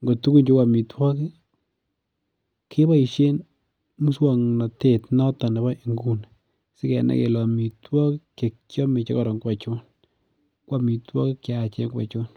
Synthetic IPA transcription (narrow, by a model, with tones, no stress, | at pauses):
ŋɡo˨tu˦ku˦nt͡ʃo˦kwa˨mi˨twɔ˦ki˦ | kʰe˦ba˦i˨ʃe˦n | mu˦swa˨ŋna˨te˨tnɔ˦ta˨nɛ˨bɔ˦i˨ŋɡu˦n | sɪ˦kɛ˨nɛ̰˨kḛ˨lɔ˨mi˨twɔ˦kke˨kt͡ʃjɔ˦mɪ˨t͡ʃe˦kɔ˨ɾɔ˨ŋkwa˨t͡ʃʊ˦n | kwa˦mi˨twɔ˦kɪ˦kja˦˨t͡ʃe˦ŋkwa̰˨t͡ʃo˦n